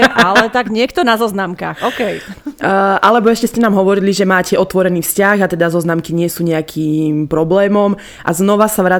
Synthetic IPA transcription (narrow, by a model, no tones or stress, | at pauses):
ʔalɛt̪aɡɲɪɛkt̪ɔnazɔznamka̰ːxɔkɛj | ʔalɛbɔɛʃcɛscɛnaːmɦɔʋɔɾiliʒɛmaːcɛʔɔt̪ʋɔɾɛniːfscaɣat̪ɛd̪azɔznamkiɲɪɛsuːɲɛakʰiːmpɾɔblɛːmɔm | ʔa̰znɔʋasaʋɾa